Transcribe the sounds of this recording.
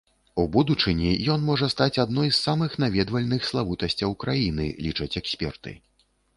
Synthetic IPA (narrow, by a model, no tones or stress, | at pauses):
ubud̪ut͡ʂɨnʲijɔnmɔʐɐst̪at͡sʲad̪nɔjsːamɨxnavʲɛd̪vɐlʲnɨxslˠavut̪ɐsʲt͡sʲɐwkɾajinɨ̰lʲit͡ʂɐt͡sʲɛksʲpʲɛrt̪ɨ̰